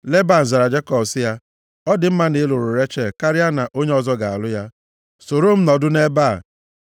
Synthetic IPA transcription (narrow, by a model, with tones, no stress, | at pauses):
le˦ba˦˨n̩˨za˨ɾa˨d͡ʒe˦kɔ˨bsɪ˦ja˦ | ɔ˦dɪ˨m̩˦ma˦ne˦lʊ˨ɾʊ˨ɾe˦t͡ʃe˨ka˦ɾɪ˦a˦na˨ʔo˦ɲe˦ɔ˨zɔ˦ɡa˨a̰˨lʊ˦ja˦ | so˨ɾo˦m̩˦nɔ˨dʊ˦ne˦ba˦˨